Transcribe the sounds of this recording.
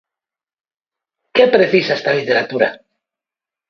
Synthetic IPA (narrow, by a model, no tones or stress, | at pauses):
kepɾeθisaest̪alit̪eɾat̪uɾa̰